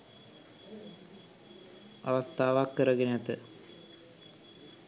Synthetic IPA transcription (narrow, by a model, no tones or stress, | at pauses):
a̰ʋast̪aːʋakːəɾəɡenæt̪ə